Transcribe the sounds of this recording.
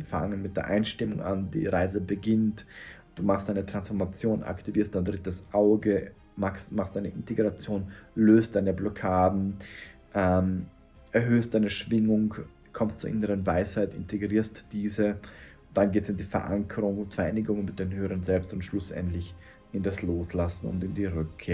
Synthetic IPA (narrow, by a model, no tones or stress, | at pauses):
fa̰ŋənmɪt̚d̥eːɐʔa̰ɪnʃtɪmʊŋʔa̰ndḭːʁaɪzəbəɡɪntd̥uːmaχstd̥aɪnətʁ̥ansfɔɐmat͡sjoːna̰ktiviːɐstd̥aɪndʁɪtəsʔaʊɡə | masmaχstd̥aɪnəʔɪntʰeɡʁat͡sjoːnløːst̚d̥aɪnəblɔkʰaːdn̩ | ʔɛm | ʔɛɐɦøːst̚d̥aɪnəʃv̥ɪŋʊŋ | kʰɔmstt͡suːɐʔɪnəʁənvaɪshaɪtɪ̰ntʰeɡʁiːɐstd̥iːzə | d̥anɡeːtsɪndiːfɛɐʔa̰ŋkʰəʁʊŋʊntfɛɐʔaɪnɪɡʊŋənmɪt̚d̥eːnhøːəʁənzɛlpstʊntʃlʊsʔɛ̰ntlɪç | ʔɪndasloːslasn̩ʊ̰ntɪndiːʁʏkʰːeːɐ